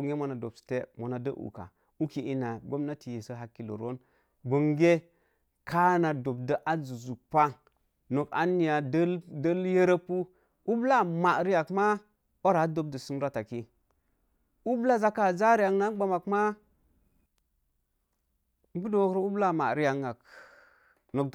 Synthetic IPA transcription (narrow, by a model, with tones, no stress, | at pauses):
ŋe˦mo˨na˨do̰˨bsi̥˨te˦mo˨na˨də˦ʔṵ˨ka̰˨ | u˦ki˨i˦na˨ɡo˦mna˦ti˨je˨sə˦ɦa˦kːi˨lo̰˨ɾo˦n | ɡo˨ŋɡe˦ | ka˦na˨do˨b̚də˨ʔa˦zu˨zu˨pa˦ | no˨ka̰˦ni˨ja˨də˦ldə˦lje˦ɾa˦pu˦ | u˦bla˦ma˨ɾi˦ja˨kma˦ | o˦ɾa˨˦do˨b̚də˨su˦m˦ɾa˦ta˨ki˦ | u˦bla˦za˦ka˨za˦ɾi˦ja˨ŋna˦ɡ͡ba˨ma˨kma˦ | bu˦do˨˦ɾo˦u˦bla˦˨ma̰˨ɾi˦ja˨ŋa˨k | no˨k